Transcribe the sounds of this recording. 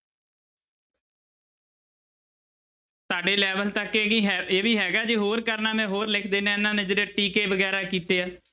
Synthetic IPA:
saːɖeːlɛːʋəlt̪əkeːiɦeːʋiːɦɛːɡaːd͡ʒeɦoːɾkəɾnaːmɛ̃ːɦoːɾlɪkʰd̪eːnẽːɪnãːneːd͡ʒeːɽeːʈiːkeːʋəɡɛːɾaːkiːt̪eːaː

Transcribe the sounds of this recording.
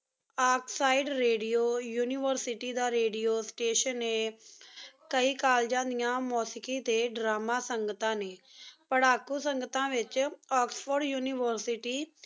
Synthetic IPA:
aːksaːiɖɾeːɖijoːjuːniːʋəɾsɪʈiːd̪aːɾeːɖijoːsʈeːʃənːeː | kəiːkaːld͡ʒãːnd̪ijãːmɔːsɪkiːt̪eːɖɾaːmaːsəŋɡət̪ãːneːpəɽaːkuːsəŋɡət̪ãːʋɪt͡ʃɔːksfəɾɖjuːnɪːʋəɾsɪʈiː

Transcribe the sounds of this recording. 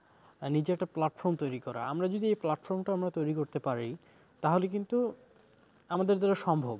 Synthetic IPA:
nid͡ʑeɛʈːaplaʈfɔɾmt̪ojɾikɔɾa̰a̰mɾad͡ʑod̪iejplaʈfɔɾmʈaamɾat̪ojɾikoɾt̪epaɾḭ | t̪aɦolek̬int̪u | amad̪eɾd̪ʱaɾeʃɔmbʱob

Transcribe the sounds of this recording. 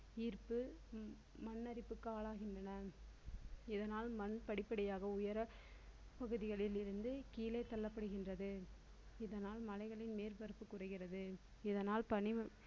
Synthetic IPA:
iːɾpɯ | mɐnːɐɾɪpːɯkːɯaːɭaːɣɪndrɐnɐ | ɪðɐnaːlmɐnpɐɽɪpːɐɽɪjaːɣɐʊjɐɾɐ | pɐɣɯðɪɣɐɭɪlɪɾɯnd̪ɯkiːleːt̪ɐlːɐpːɐɽɯɣɪndrɐðɯ | ɪðɐnaːlmɐlɐɪɣɐɭɪnmeːɾbɐɾɯpːɯkːʊrɐɪɣɪrɐðɯ | ɪðɐnaːlpɐnɪ

